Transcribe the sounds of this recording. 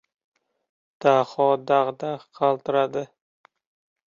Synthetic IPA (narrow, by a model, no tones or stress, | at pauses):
d̪̥aχɒd̪aʁd̪aqʰɑlˠt̪ɪɾad̪ɪ